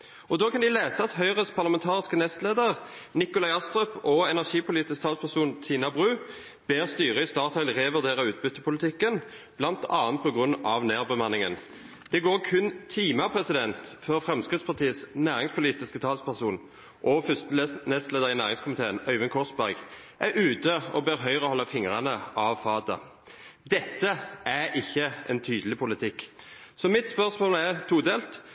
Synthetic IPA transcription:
ʔɔd̪oːkʰɑnd̪ɪleːsəɑt̪hœʏʁəspʰɑʁlɑmɛnt̪ʰɑːʁɪskənɛst̪leːd̪əʁnɪkʊlɑɪɑst̪ʁøpɔɛnæʁʂiːpʰʊliːt̪ɪskt̪ʰɑːlspʰæʁsuːnt̪ʰiːnɑbʁʉː | b̥eːʁst̪yːʁəɪst̪ɑːt̪ʰɑɪlʁeːʋʉʁd̪eːʁəʉːt̪̚bʏt̪ːəpʰʊlɪt̪ʰɪkːən | b̥lɑnt̪ʰɑːnt̪̚pʰɔɡʁʉnɑʋneːʁbəmɑnːɪŋə̰n | d̪̥ɛɡoːʁkʰʉnt̪ʰiːmɑpʰʁɛsɪd̪ɛnt̪fœʁfʁɛmskʁɪt̪spɑʁt̪iːəsnæːʁɪŋspʰʊliːt̪ɪskət̪ʰɑːlspʰæʁsuːn | ʔɔfʏst̪əlnɛst̪leːd̪əʁɪnæːʁɪŋskʊmɪt̪eːənœʏʋənkʰɔʁsbæʁɡ | ʔæɾʔʉːt̪əɔbeːɾɦœʏʁəɔhɔlːɑfɪŋʁɑnəʔɑʋfɑːd̪ɑ̰ | d̪ɛt̪ːəʔæʁɪçːəɛnt̪ʰyːd̪əlɪpʰʊlɪt̪ʰɪkːsɔmɪt̪spœʁsmoːlæʁt̪ʰuːd̪eːlt̪

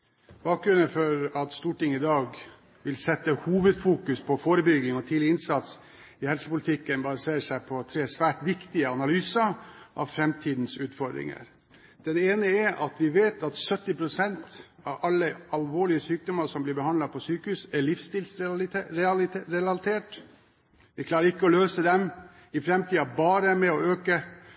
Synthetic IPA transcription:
b̥ɑːk̚ɡɾʉnəfɔɾɑt̪st̪uːʈɪŋɪd̪ɑːɡ | ʋɪlsɛt̪ːəhuːʋəd̪fuːkʉspʰɔfoːɾəbʏɡɪŋɔt̪ʰiːlɪɪnsɑt̪s | ɪhɛlsəpʊlɪt̪ʰɪkːənbɑɾəseːʂæɪpʰɔt̪ʰɾeːsʋæːʈʋɪkt̪ɪəɑnɑlyːsɑʔɑ̰ʋfɾɛmt̪ʰiːd̪n̩sʉːt̪fɔɖ̪ɾɪ̰ŋə̰ɾ | d̪̥ɛneːnəɛʔɑ̰t̪ʋɪʋeːt̪ɑt̪sœt̪ːɪpʰɾʊsɛnt̪ | ɑʋɑlːəɑlʋoːɭɪəsyːk̚d̪ɔmɑɾsɔmblɪbəhɑnlɑpʰɔsyːkəhʉːsæɭɪfst̪ɪːlsɾɾɛlɑlt̪ʰeːʈ | ʋɪkʰlɑːɾəɾɪkːəɔløːsəd̪ɛm | ɪfɾɛmt̪ʰiːɑbɑːɾəmɛɔøːkə

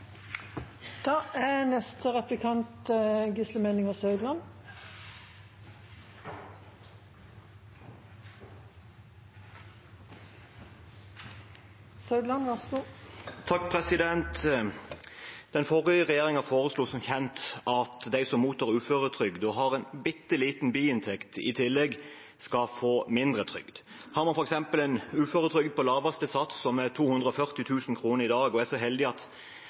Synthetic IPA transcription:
d̪̥ɑːʔænɛst̪əʁɛplɪkʰɑnt̪ɡʏsləmeːnɪŋɔsɑʉd̪lɑn | sɑʉd̪lɑnʋæʁsəɡuːt̪ʰɑk̚pʰʁɛsɪd̪ɛnt̪ | d̪̥ɛnfɔʁɪəʁɛjeːɾɪŋɑfoːʁəsluːsɔmçɛnt̪ʔɑt̪d̪æɪsɔmːuːt̪ʰɑːʁʉːføːʁət̪ʰʁʏɡd̪ɔɦɑʁɛnbɪt̪ːəliːt̪n̩byːɪnt̪ʰɛkt̪ɪ̰t̪ʰɪlːɛɡ | skɑfoːmɪnd̪ʁət̪ʰʁʏ̰ɡ̥d̪̥ | hɑːɾmɑnfɔʁɛksɛmpəlɛnʉːføːɾət̪ʰʁʏɡ̚d̪̚pɔlɑːʋɑst̪əsɑt̪ssɔmæt̪ʰuːhʉnd̪ʁəɔfœʁt̪ɪt̪ʰʉːsn̩kʰʁuːnəʁɪd̪ɑːɡɔæʁsɔɦɛld̪ɪɑt̪

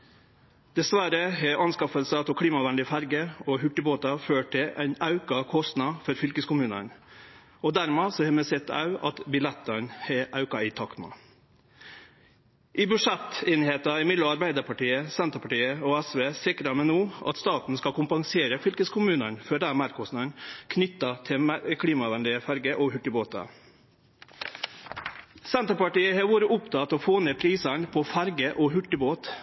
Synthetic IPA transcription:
d̪̥ɛsʋæɾəɦɛʔɑnskɑfəlsət̪ʰɔkʰɽiːmɑʋɛnd̪ɪfæɾɡəɔɦʉʈːɪboːt̪ɑføːʈʰɪlʔæ̰ɪnɑʉkɑkʰɔst̪nɑfɔɾfʏlkəskʰʊmʉːnə̰n | ɔd̪æɾmeːsɔhɛmɛsɛt̪ːɑ̰ʉɑ̰t̪bɪlɛt̪ːənhɛʔɑʉkɑɪt̪ʰɑkt̪mɑ̰ | ʔɪbʉʂɛt̪ːeːnheːt̪ɑɪmɪd̪ɔɑɾbæɪd̪əɾpʰɑʈiːəsɛnt̪əpʰɑʈiːəoːæsʋeːsɪkɾɑmɛnuːʔɑ̰t̪st̪ɑːt̪n̩skɑkʰʊmpɑŋseːɾəfʏlkəskʰʊmʉːnənføːɖ̪æmæɾkɔsnənkʰnʏt̪ːɑt̪ʰɪmkʰɽiːmɑʋɛnd̪ɪəfæɾɡəʔoːhʉʈːɪboːt̪ɑ̰ | sɛnt̪əɾpɑʈiːəhɑːʋuːɾəʔʊpt̪ʰɑt̪oːfoːnepʰɾiːsɑɳpʰoːfæɾɡəʔoːɦʉʈːɪboːt̪

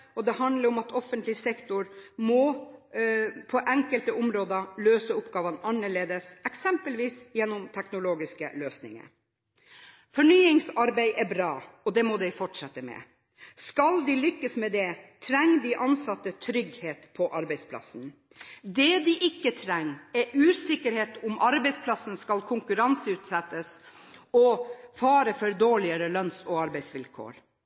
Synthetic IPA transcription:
ɔd̪ɛhɑnd̪ləɾɔmɑt̪ʰɔfənt̪lɪsɛkt̪ʊɾmɔ | pʰɔʔɛŋkəlt̪əʔʊmɾoːd̪əløːsəʊpːɡɑːʋənɑnːəɭeːd̪əsɛksɛmpəlʋiːsjɛnːɔmt̪ʰɛknʊloːɡɪskə̰løːsnɪ̰ŋə̰ | fɔɳyːɪŋsɑɾbæɪʔæbɾɑːɔd̪ɛmɔd̪ɛɪfɔʈʂɛt̪ːəmɛ̰ | skɑld̪ɪlʏkːəsmɛd̪ɛt̪ʰɾɛŋːd̪ɪʔɑnsɑt̪ːət̪ʰɾʏɡheːt̪pʰɔʔɑɾbæɪspʰlɑ̰sn | d̪ɛd̪ɪʔɪkːət̪ʰɾɛŋːɛʔʉːsɪkːəɾheːt̪ʊmʔɑɾbɛɪspʰlɑsənskɑlkʰʊŋkʉɾɑnsəʉːt̪sɛt̪ːəsɔfɑːɾəfœɾd̪oːɭɪəɾəlœnsɔɑɾbæɪsʋɪlkʰo̰ːɾ

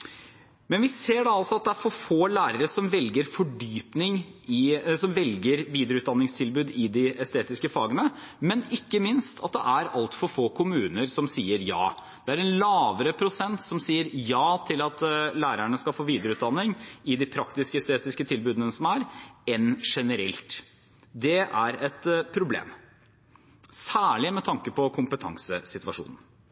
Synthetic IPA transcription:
mɛnʋɪseːɖɑɑlsɔɑt̪̚d̪ɛæɾfɔfoːlæːɾəɾəsɔmʋɛlɡəɾfɔɖyːpnɪŋɪsɔmʋɛlɡəɾʋiːd̪əɾəʉːt̪̚d̪ɑnːɪŋst̪ʰɪlbʉːd̪ɪd̪ɪɛst̪eːt̪ɪskəfɑːɡənəmɛnɪkːəmɪnst̪ʰɑ̰t̪̚d̪ɛ̰ʔæɾɑ̰lt̪fɔɾfoːkʰʊmʉːnəɾsɔmsiːəɾjɑ̰ː | d̪̥ɛæɾɛnlɑːʋəɾəpʰɾʊsɛnt̪sɔmsiːəɾjɑːt̪ʰɪlɑt̪læːɾæɳəskɑlfoːʋiːd̪əɾəʉːt̪d̪ɑnːɪŋɪd̪ɪpʰɾɑkt̪ɪskəɛst̪eːt̪ɪskət̪ʰɪlbʉːd̪ənəsɔmæɾɛnʂɛnəɾɛ̰lt̪ | d̪ɛæɾɛt̪pʰɾʊblḛːm | sæːɭɪmɛt̪ʰɑŋkəpɔkʰʊmpət̪ʰɑ̰ŋsəsɪt̪ʋɑʂṵːnən̩

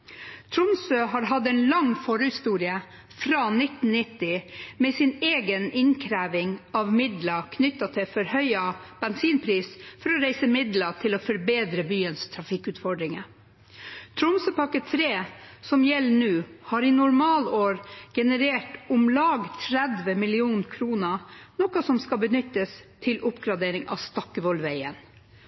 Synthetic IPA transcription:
t̪ʰɾʊmsøːɦɑːɾɦɑd̪ɛːnlɑŋfɔɾəhɪst̪uːɾɪə | fɾɑːnɪt̪n̩nɪt̪ːɪmɛsɪneːɡənɪnkʰɾæːʋɪŋɑʋmɪd̪lɑkʰnʏt̪ːɑt̪ʰɛfɔɾhœʏɑb̥ɛnsiːnpʰɾiːsfɔɾɔɾæɪsəmɪd̪lɑt̪ʰɪloːfɔɾbeːd̪ɾəbyːənst̪ʰɾɑfɪkʉːt̪fɔɖɾɪŋə | t̪ʰɾʊmsəpɑkət̪ʰɾeːsɔmjɛlːnʉːhɑːɾɪnʊɾmɑːloːɾɡ̥ɛnəɾeːʈʊmlɑːɡt̪ʰɾɛd̪ʋəmɪlɪuːnkʰɾuːnənɔkɑsɔmskɑbənʏt̪ːəst̪ʰɪlʔʊpɡɾɑd̪eːɾɪŋʔɑ̰st̪ɔkːəʋɔlʋæɪən

